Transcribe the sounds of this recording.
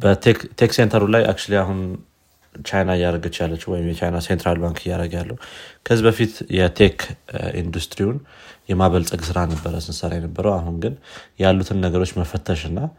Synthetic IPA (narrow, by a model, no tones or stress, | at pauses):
bət̪ʰekt̪ʰeksent̪ʰəɾulajʔa̰k̚t͡ʃliaɦun | t͡ʃajnaɪjːaɾəɡɨt͡ʃːjalːət͡ʃːɛwɔjɪmjɛt͡ʃajnasent̪ɾalbaŋkʰɪjːaɾəɡjalːəhukʰəɨzibəfit̪jɛt̪ʰekʰḭnd̪ust̪ɾiunjɛmaβəlt̪ʼəɡsɨɾanəbːəɾəsɨnsəɾajɛnəbːəɾəwaɦunɡɨnjalːut̪ʰɨnːəɡəɾo̞t͡ʃːməfət̪ʰːəʃɨnːa